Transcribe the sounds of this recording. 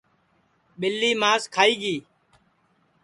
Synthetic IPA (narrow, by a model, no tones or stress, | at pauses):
ɓɪlːiːmaːskʰaːiːɡiː